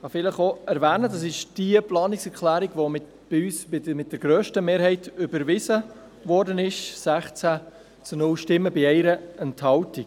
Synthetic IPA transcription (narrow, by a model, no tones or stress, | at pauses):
χɑfɪləχoɛɾʋæːnədɑs̬ɪʃd̥iəplɑːnɪksɛɾklæːɾiɡvʋomɪ | b̥yːsbɪmɪt̚d̥ɛɾɡ̥ɾøːʃtəmeːɾhɛɪtʏbəɾvɪzə | vɔːɾdənɪʃsæχt͡sæ | t͡sunʊlʃtɪmːəbɪɛɪɾəɛnthɑltik